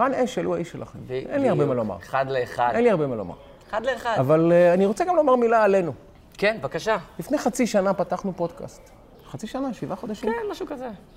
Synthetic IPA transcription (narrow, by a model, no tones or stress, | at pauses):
ʁaneʃaluaʔiʃela̰χḛmvʔenliaʁbemaloma̰ʁχad̪leːχadenliaʁbemaloma̰ʁ | χad̪leχadavalaniʁo̞t͡seɡamlo̞maʁmilaːle̞nu | kenvakaʃalifne̞jχat͡siʃanapataχnupo̞dka̰st̪ | χat͡siʃanaʃivaχo̞d̪aʃkimnmaʃukaze